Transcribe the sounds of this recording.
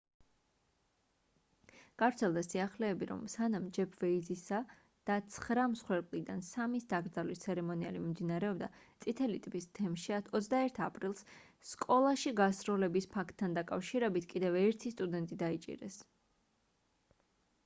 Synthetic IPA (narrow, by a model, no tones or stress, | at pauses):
ɡ̥avɾt̪sʰɛlˠd̪asiaχlɛːbiɾɔ̰msanamd͡ʒɛpʰvɛid̪zisa | d̪̥at̪sʰχɾamsχwɛɾkʼlid̪ansamisd̪aɡɾd̪zalist̪sʰɛɾɛmɔnia̰limimd̪inaɾɛɔbd̪at̪sʼit̪ʰɛlit̪ʼipʼist̪ʰɛmʃiaɔt̪sʰd̪aɛɾt̪ʰapʼɾilˠs | skʼɔlˠaʃiɡasɾɔlɛbispʰakʰt̪ʰːand̪akʼafʃiɾɛbit̪ʰkʼid̪ɛvɛɾt̪ʰist̪ʼud̪ɛnt̪ʼid̪ait͡ʃʼḭɾɛ̰s